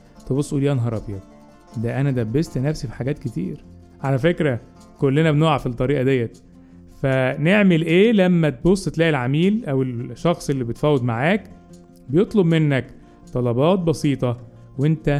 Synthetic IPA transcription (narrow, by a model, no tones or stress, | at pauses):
t̪ebosˤːʔuːliːænɦɑɾˤɑbjæ | d̪æʔænæd̪æbːest̪næfsifi̥ħaɡæːt̪ket̪ḭːɾ | ʕalæfekɾæ | kolːenæbnoːʕafit̪ˤːɑɾiːʔɑd̪æjːæt̪ | fæneʕmelʔeːlæmːæt̪̚bosˤːet̪læːʔelʕamiːlʔæwelʃːɑxsˤʔelːibet̪fæːwːed̪maʕaːk | bejet̪ˤlobmenːæk | t̪ˤɑlɑbɑːt̪̚bɑsiːt̪ˤɑ | went̪æ